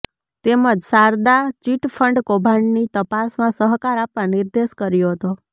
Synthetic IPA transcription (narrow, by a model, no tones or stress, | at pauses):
t̪eməd͡ʒsaɾd̪at͡ʃiʈfʰəɳɖkobʱaɳnit̪əpasmãsəɦkaɾapʋãniɾd̪eʃkəɾjoɦət̪o